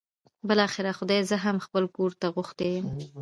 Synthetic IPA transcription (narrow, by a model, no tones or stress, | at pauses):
bɪlɑxɪɾaxʊd̪ɑjzəɦamxpəlkoɾt̪aɣʊxt̪ejəm